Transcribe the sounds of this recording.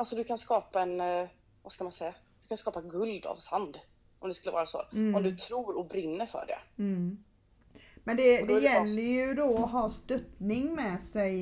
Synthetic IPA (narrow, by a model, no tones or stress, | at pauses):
alsɔd̪ɵkʰanskɑːpaɛn | vaskamansɛjːa | d̪̥ɵkʰanskɑːpaɡɵld̪a̰vsand̪ | ʔɔmd̪ɛskɵlːəvɑ̰ːɾaso̰ːɔmd̪ɵt̪ʰɾuːɾɔbɾɪnːəɾfœ̰ːɖɛ̰ | mɛnd̪ɛd̪ɛjɛlːəɾjɵd̪oɔɦɑːst̪œt̪nɪŋmɛsɛj